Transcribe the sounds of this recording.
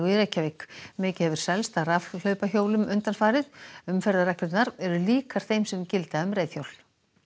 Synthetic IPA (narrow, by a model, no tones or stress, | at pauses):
ɪɾɛcːavɪkmɪːcɪhɛvʏɾ̥sɛlst̪aɾaflœɥpaçoːwlʏmʏnt̪anfaːɾɪðʏmfɛɾðaɾɛklɪt̪naɾɛɾʏliːkaɾ̥θejmsɛmcɪlt̪aʏmrɾejθθjowl